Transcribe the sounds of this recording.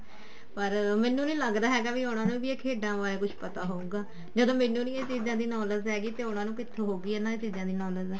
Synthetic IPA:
pəɾmɛ̃ːnːũːnĩːləɡd̪aːɦɛːɡaːʋiːʊnãːnũːʋiːeːkʰeːɖãːʋaːleːkʊt͡ʃʰpət̪aːɦoːũːɡaː | d͡ʒəd̪õːmɛ̃ːnːũːnĩːeːt͡ʃiːzãːd̪iːnɔːləzɦɛːɡiːt̪eːʊnãːnũːkɪt̪ʰːõːɦoːɡiːɛːnãːeːt͡ʃiːzãːd̪iːnɔːləzɛː

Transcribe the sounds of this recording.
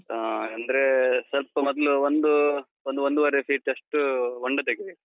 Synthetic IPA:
aɐnd̪ɐɾesɐlpɐmɔd̪ɐluond̪u | ond̪uond̪uʋɐɾepʰiːʈeʂʈuoɳɖɐd̪ɐɡiʋi

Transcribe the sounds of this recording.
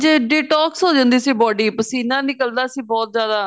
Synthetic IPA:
d͡ʒeːɖeːʈɔːksɦoːd͡ʒãːnd̪iːsiːbɔːɖiːpəsiːnãːnɪkəld̪aːəsĩːbɔːt̪̚zjaːd̪aː

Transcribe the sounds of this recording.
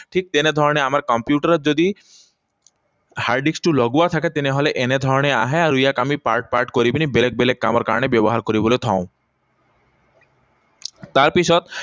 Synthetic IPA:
ʈʰik̚t̪ened̪ʱɔɾɔneamaɾkɔmpjuʈaɾed͡ʑod̪i | haɾɖiksʈulɔɡuat̪ʰak̬et̪eneɦɔleʔened̪ʱɔɾɔnea̰ɦeaɾujakamipa̰ɾʈ̚pa̰ɾʈkoɾibinibelek̚belekːa̰maɾka̰ɾɔnebɛboɦaɾkoɾibolet̪ʰã̰ʊ̃ | t̪aɾpit͡ɕʰɔt̪

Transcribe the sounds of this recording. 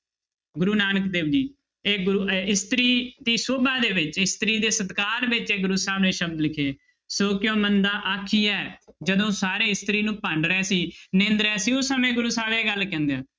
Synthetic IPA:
ɡʊɾuːnaːnəkd̪eːbd͡ʒiː | eːɡʊɾuːɪst̪ɾiːd̪iːsoːbãːd̪eːʋɪt͡ʃɪst̪ɾiːd̪eːsət̪kaːɾʋɪt͡ʃeːɡʊɾuːsaːbnẽːʃəb̚d̪lɪkʰeː | soːkɪjõːmənd̪aːʔaːkʰiːɛːd͡ʒəd̪õːsaːɾeːɪst̪ɾiːnũːpəɳɖɾɛ̃ːsiːnẽːnd̪ɾɛ̃ːsiːʊsəmẽːɡʊɾuːsaːʋeːɡəlkɛ̃ːnd̪ejaː

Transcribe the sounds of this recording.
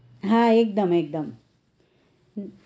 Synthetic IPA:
ɦãek̚d̪ɐmeːk̚d̪ɐm

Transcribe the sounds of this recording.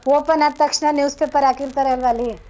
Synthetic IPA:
ʋopənat̪ːəkʃnanjuːspepəɾakiɾk̪əɾəɦlʋaːli

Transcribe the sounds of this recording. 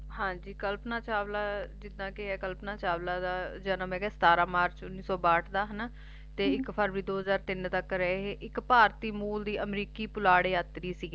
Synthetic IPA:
hãːd͡ʒiːkəlpnaːt͡ʃaːʋlaːd͡ʒɪd̪ãːkeɦɛːkəlpnaːt͡ʃaːʋlaːd̪aːd͡ʒənəmɛ̃ːɡɛːsə̥t̪aːɾãːmaːɾt͡ʃʊnːiːsɔːbaːʈʰd̪aːɦən | t̪eːɪkpʰəɾɾiːd̪oːɦəzaːɾt̪ɪnt̪əkɾɛeɦeːʔɪkpaːɾt̪iːmuːld̪iːʔəmɾiːkiːpʊlaːɽeːət̪ɾiːsiːɡː

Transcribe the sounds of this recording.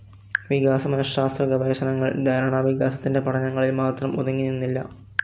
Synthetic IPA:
ɐʋiɣaːsɐmɐnɐɕaːst̪rɐɡɐʋeːɕɐnɐŋːɐɭd̪ʱɐjɾaːɳɐʋiɣaːsɐt̪ːinde̞pɐʈɐnɐŋːɐɭilmaːt̪rɐmuðɐŋːinːinːilːɐ

